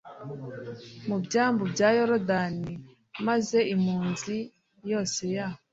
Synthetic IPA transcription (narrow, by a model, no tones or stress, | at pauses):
mubɟaːmbobɟaːjoɾodani | maze̞imuːnzi | jo̞ːse̞jaho